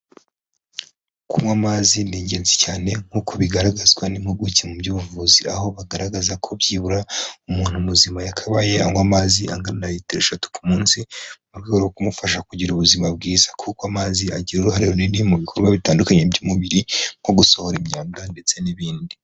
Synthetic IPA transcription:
kʰumwamazindiːɲɟe̞ːnzecaːne̞ŋ̥hukʰoβiɡaɾaɡazɡwanimhuɡucemubɟuːvuziaho̞βaɡaɾaɡazakʰo̞bjiːβuɾaumuːn̥humuzimajakʰaβaje̞aŋɡwamaːziaŋɡannajitiɾeʃatu̥kumuːnsimuɾɡioɾokumufaʃakuɟiɾuβuzimab̚ɡiːzakʰukoamaːziaɟiɾuɾuhaɾihoninimuβikʰoɾɡwaβitaːndukaɲebɟumuβiɾiŋ̥ɡoɡuso̞ho̞ɾimɲaːmdande̞t͡se̞niβiːndi

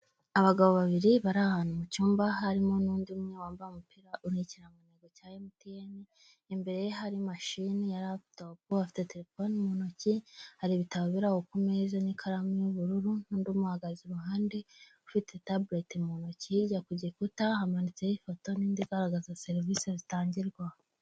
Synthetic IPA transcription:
aβaɡaβoβaβiɾiβaɾahaːnumucuːmbaɦaɾimo̞nuːndiumɲewaːmbaumupiɾauniciɾamuneɡocajemutijeni | embe̞ɾe̞jeɦaɾimaʃinijaɾatop̚uafi̥te̞teɾefonimonocihaɾiβitaβaβiɾahokumezanikʰaɾamijoβuɾuɾunuːndumuhaɡaziɾuɦaːndeufite̞tabɾetimonociɟakuɟekutahamanit͡sejifoto̞niːndiɡaɾaɡazase̞ɾvisezitaːɲɟiɾɡwah

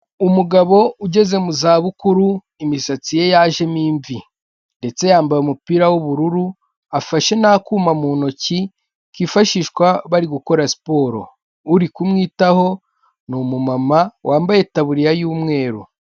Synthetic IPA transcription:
umuɡaβo̞uɟe̞ze̞muzaːβukuɾu | imisat͡sije̞jaːʒe̞miːɱvi | nde̞t͡se̞jaːmbajumupiɾawoβuɾuɾu | afaʃe̞naːkuːmamuːno̞ci | kifaʃiːʃkwaβaɾiɡuko̞ɾasi̥po̞ːɾo̞̰ | uɾikumŋiːtaho̞ | numumamawʔaːmbaje̞taβuɾijajuːmŋe̞ːɾu

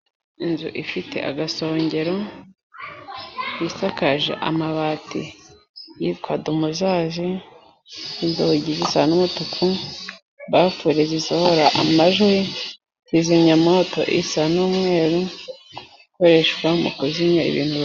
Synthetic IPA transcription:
inzṵʔifitʰe̞̰ʔa̰ɡaso̞ːɲɟe̞ɾo̞ | jisakaʒḛʔa̰maβaːtʰḭ | jitkwadumuzaːʒe | izoβoɟizisanumutukʰu | βafuɾezisoho̞ɾaʔamaʒoji | ziziɲamoto̞̰ʔisanuːmŋe̞ːɾu | ikoɾe̞ʃkwamṵkuziɲaḭβḭːn̥hu

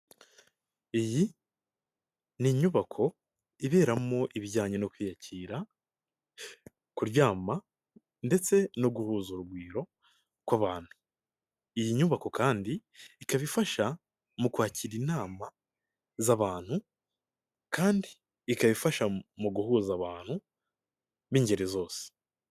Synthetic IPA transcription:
iji | niɲuβakʰo̞ | iβe̞ːɾamo̞ʔiβiɟaːɲeno̞kwiːjacʰiːɾa | kuɾjaːma | nde̞t͡se̞no̞ɡuhuːzuɾuɡwiːɾo̞ | kwaβaːn̥hu̥ | ijiɲuβako̞kaːndiːkaβifaʃa | mukwaːciɾinaːma | zaβaːn̥hu | kaːndiː | kaβifaʃamuɡuhuːzaβaːn̥hu | βiɲɟe̞ɾezo̞ːse̥

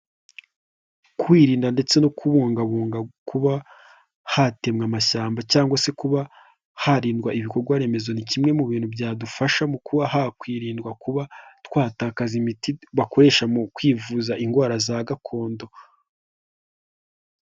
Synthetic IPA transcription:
kwiːɾiːndande̞t͡se̞no̞kʰuβuːŋɡaβuːŋɡakuβa | hate̞mŋamaʃaːmbacaːŋɡwase̞kuβa | haɾiːndɡwaʔiβiko̞ɾɡwaɾe̞me̞zo̞nicimŋe̞muβiːn̥hubɟaːdufaʃamukuβahakwiːɾiːndɡwakuβatwaːtaːkazimitiβako̞ɾe̞ʃamukwiːvuːzaʔiŋɡwaːɾazaɡakʰo̞ːndo̞

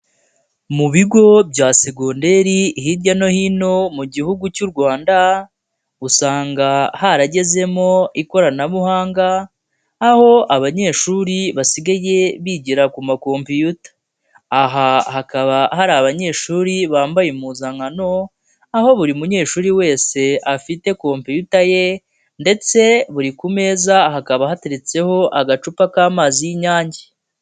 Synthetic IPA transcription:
muβiɡo̞bɟaːseɡonde̞ɾihiɾɟano̞hino̞muɟihuɡucuɾɡwaːnda | usaːŋɡahaɾaɟe̞ze̞mo̞iko̞ɾanaβuhaːŋɡaː | ho̞aβaɲe̞ːʃuːɾiβasiɡaje̞βiɟiɾakumako̞ːmpijutḁː | ɦahakaβahaɾaːβaɲe̞ːʃuːɾiβaːmbajemuzaŋano̞ | aho̞βuɾimuɲe̞ːʃuːɾiwe̞ːse̞afite̞ko̞ːmpijutaje̞ | nde̞t͡se̞βuɾikume̞ːzaɦakaβahateɾet͡se̞ho̞ʔaɡat͡ʃupakaːmaːzijiɲaːɲɟe

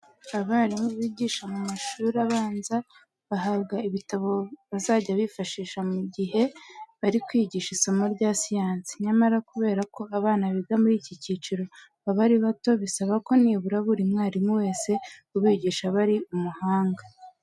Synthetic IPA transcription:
aβaːɾimuβiːɟiːʃamumaʃuɾaβaːnza | βaɦaːbɡaiβitaβo̞βazaːɟaβifaʃiːʃamuɟiɦe̞βaɾikwiːɟiʃisamoɾɟaːsijaːnsi̥ɲamaɾakuβe̞ːɾako̞aβaːnaβiɡamuɾiːcicit͡ʃiɾo̞ | βaβaɾiβato̞βisaβako̞niːβuɾaβuɾimŋaːɾimuwe̞ːse̞uβiːɟiːʃaβaɾiumuhaːŋɡa

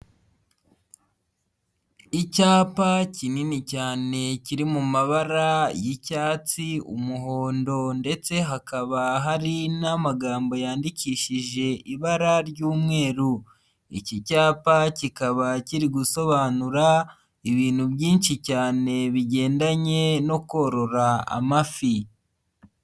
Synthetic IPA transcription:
icaːpacininicaːne̞ciɾimumaβaɾajicaːt͡siṵmuɦo̞ːndo̞nde̞t͡se̞ɦakaβaɦaɾinamaɡaːmbo̞jaːndiciːʃiʒe̞ʔiβaɾaɾɟuːmŋe̞ːɾu | ḭcicaːpacikaβaciɾiɡuso̞βaːnuɾa | iβiːn̥huβjiːnʃicaːne̞βiɟe̞ːndaɲe̞no̞ko̞ɾo̞ɾaa̰mafi

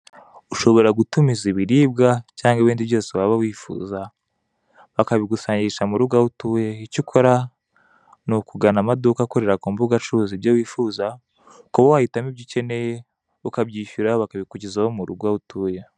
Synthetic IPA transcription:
uʃo̞βo̞ɾaɡutumiziβiɾiːb̚ɡacaːŋɡaβiːndiβjo̞ːsewaβawiːfṵːza | βakaβiɡusaːɲɟiʃamuɾuɡautujeicikʰo̞ɾa | nukuɡanamadukakoɾe̞ɾakuːmbuɡat͡ʃuzibɟowiːfuːza | koβowahitamibɟice̞ne̞je | ukabɟiːʃuɾaβakaβikuɟizawomuɾuɡautuːje

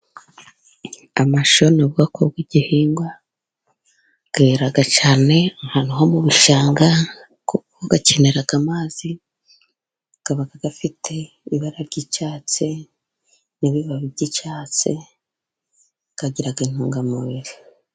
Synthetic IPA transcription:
amaʃo̞noβɡakʰobɡwiɟ̥ihiːŋɡwa | ɡ̥eɾaɡat͡ʃaːne̞ŋhanuɦo̞muβuʃaːŋɡa | kukoɡace̞ne̞ɾaɡ̥amaːz̥i | ɡ̥aβaɡaɡafitʰe̞ | iβaɾaɾɟit͡ʃaːt͡se | niβiβaβiɾɟit͡ʃaːt͡se | ɡ̥aɟiɾaɡain̥huːŋɡamuβiɾi

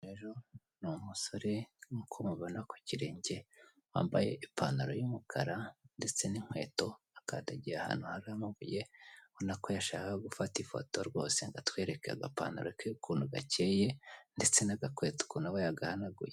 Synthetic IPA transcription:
eʒo̞ | numuso̞ɾe̞ŋkʰomuβanaku̥ciɾe̞ːɲɟe̞ | wa̰ːmbaje̞̰ʔipanaɾojumukʰa̰ɾande̞t͡se̞niŋ̥hwe̞̰ːto̞ | akadaɟiaha̰ːn̥huhaɾamuβujeonako̞jaʃaːkaaɡufatifo̞̰to̞ɾɡo̞̰ːse̞ŋɡatwe̞ːɾe̞kea̰ɡa̰pa̰ːna̰ɾokaukʰuːnuɡa̰ceːje̞nde̞t͡se̞naɡakweto̥kunawejaɡahanaɡṵje

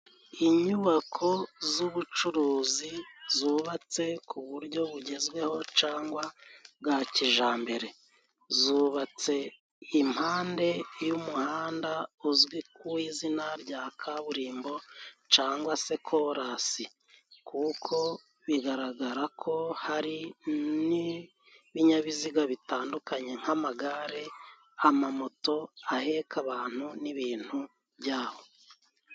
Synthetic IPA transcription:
iɲuβakʰo̞zuβut͡ʃuɾuːzizuːβat͡se̞kʰuβuɾɟo̞βuɟe̞zɡwe̞ho̞t͡ʃaːŋɡwaɡaciʒaːmbe̞ɾe̞ | zuβat͡se̞ | im̥haːnde̞jumuhaːndauzwikuwizinaɾɟaːkʰaβuɾiːmbo̞t͡ʃaːŋɡwase̞kʰo̞ɾasi | kuːkʰo̞ | βiɡaɾaɡaɾakʰo̞haɾini | βiɲaβiziɡaβitaːndukaɲe̞ŋ̥hamaɡaɾe̞ | amamoto̞ahe̞kʰaβaːn̥uniβiːn̥hu | βɟaːho̞

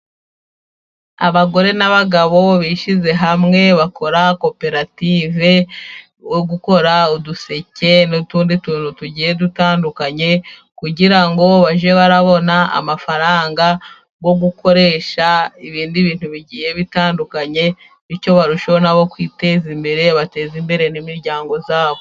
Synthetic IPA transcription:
a̰βaɡo̞ɾe̞naβaɡaβo̞βiʃize̞ɦamŋe̞βakʰo̞ɾako̞pe̞ɾative̞ | woɡuko̞ɾauduse̞ce̞nutuːndituːnutuɟiːje̞dutaːndukaɲe̞ | kuɟiɾaŋɡo̞βaʒe̞βaɾaβo̞naa̰mafaɾaːŋɡa | ɡo̞ɡuko̞ɾe̞ʃaiβiːndiβiːn̥huβiɟiːje̞βitaːndukaɲe̞ | ico̞βaɾuʃonaβo̞kwiːte̞ːzimbe̞ɾe̞βate̞ːzimbe̞ɾe̞nimiɾɟaːŋɡo̞zaːβo

